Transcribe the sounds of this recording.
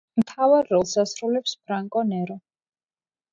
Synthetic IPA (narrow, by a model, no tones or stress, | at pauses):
mt̪ʰavaɾːɔlˠsasɾulɛpspʰɾaŋkʼɔnɛɾɔ